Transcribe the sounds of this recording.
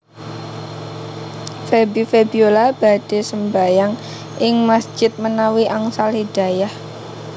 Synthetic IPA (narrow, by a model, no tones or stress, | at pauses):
febifebiolab̥a̤d̥e̤səmbajaŋ | ʔɪŋmasd͡ʒ̥ɪt̪̚mənawiʔaŋsalid̥a̤jah